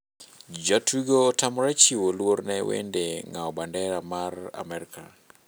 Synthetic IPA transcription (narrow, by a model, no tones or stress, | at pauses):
d͡ʒɔtwiɡotamɔɾɛt͡ʃiwolwornɛwḛndeŋaɔbandɛɾamara̰mɛɾikʰa